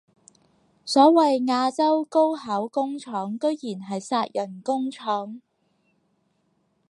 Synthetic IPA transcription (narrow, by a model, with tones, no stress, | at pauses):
sɔː˨˥wɐ˨jŋaː˧t͡sɐ˥wko˥whɐ˨˥wkʊ˥ŋt͡ʃʰɔː˨˥ŋkɵ˥ɥjiː˨˩nɦɐ˨jsaː˧t̚jʔɐ˨˩nkʊ˥ŋt͡ʃʰɔː˨˥ŋ